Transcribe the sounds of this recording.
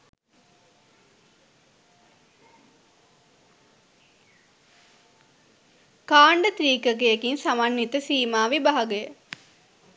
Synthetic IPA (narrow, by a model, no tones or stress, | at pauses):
kaːɳɖət̪ɾiːkək̬eekinsamanːit̪əsiːmaːʋibaɦaɡəjə